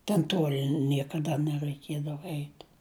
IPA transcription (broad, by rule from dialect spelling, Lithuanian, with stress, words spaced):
tʲɛn ˈtuɔlʲɪ ˈnʲiɛkɐˌdɐ nʲɛrɐɪˈkʲiɛdɐʋɐ ˈɛɪtʲ